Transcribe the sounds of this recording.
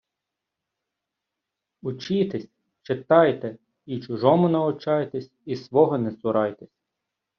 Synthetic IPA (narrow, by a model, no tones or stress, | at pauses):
ʊt͡ʃit̪esʲ | t͡ʃet̪ɑjt̪ɛ | it͡ʃʊʒɔmʊnɐʊt͡ʃɑjt̪esʲisʋɔɦɔnɛsʊɾɑjt̪esʲ